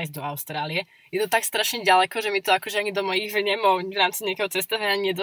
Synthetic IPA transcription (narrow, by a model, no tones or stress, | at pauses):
jizd̪ɔaʊst̪ɾaːliɛ | jɛt̪ɔt̪akst̪ɾaʃɲɛɟalɛkɔʒɛmit̪ɔakɔʒɛaɲid̪ɔmɔjiɣvɲɛmɔwvɾaːmt͡siɲɪakɛɦɔt͡sɛst̪aʋɛɲaɲɪɛd̪ɔ